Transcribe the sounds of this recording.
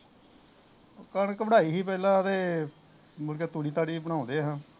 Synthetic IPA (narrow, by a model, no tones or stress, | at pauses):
kəɳəkbəɽaːiːɦiːp̬ɛːlãːt̪eː | mʊlkeːt̪uːɽiːt̪aːɽiːbəɽ̃ãːõːd̪eːɦãː